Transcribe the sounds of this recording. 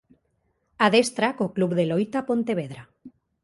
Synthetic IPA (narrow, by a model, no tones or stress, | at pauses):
aðest̪ɾakoklubðelojt̪apõnt̪eβ̞eð̞ɾa